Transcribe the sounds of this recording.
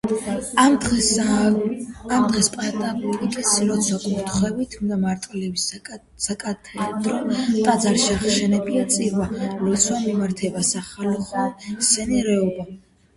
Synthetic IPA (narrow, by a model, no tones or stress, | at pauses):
amd̪ʁɛspʼat̪ʼabuit̪ʼɛsilɔt̪sʰwakʼuɾt̪ʰχwɛbit̪ʰumd̪amaɾt̪ʼlɛbis | sakʼat̪ʰɛd̪ɾɔt̪ʼad̪zaɾʃaχʃɛnɛpʼiat̪sʼiɾvalɔt̪sʰwamimaɾt̪ʰɛbasaχalɔχɔsɛniɾɛɔba